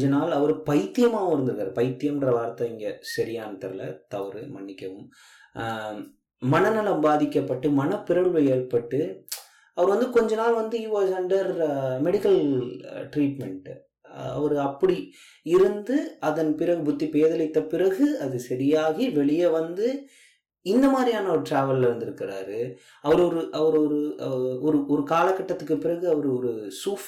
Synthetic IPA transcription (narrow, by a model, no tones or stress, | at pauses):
d͡ʒɐnaːlɐʋɐɾɯpɐɪt̪ːɪjɐmaːʋɐmɪɾɯnd̪ɐðaːɾpɐɪt̪ːɪjɐmɪndrɐʋaːɾɐt̪ːɐɪŋɡesɐɾɪjaːnɐt̪ːɐ̰ɾlɐ̰t̪ɐʋɐɾɯ̰mɐɳːɪkːɐʋɯm | mɐnɐnɪlɐmbaːðɪkːɐpːɐʈːɯmɐnɐpɪɾɐɭʋɐeːrpɐʈːɯ | ɐʋɐɾɯʋɐnd̪ɯkɔɲd͡ʒɐnaːlʋɐnd̪ɯjuːʋasɛɳɖɐɾmɛɽɪkːɐl | ʈɾiːʈmɛɳʈ | ɐ̰ʋɐɾɯɐpːɐɽi | ɪɾɯnd̪ɯɐðɐnpɪɾɐɣɯbʊt̪ːipeːðɐlɪt̪ːɐpɪrɐɣɯɐðɯsɐɾɪjaːɣiʋɛɭɪjɐʋɐnd̪ɯ | ɪnd̪ɐmaːd̪ɾijaːnɐɔɾɯʈɾaːʋɐllʋɐnd̪ɪɾɯkːɪɾa̰ːɾɯ | ɐʋɐɾɔɾɯʔɐʋɐɾɔɾɯɔɾɯɔɾɯkaːlɐkːɐʈːɐt̪ːɯkːɯpːɪɾɐɣɯɐʋɐɾɯɔɾɯsuːf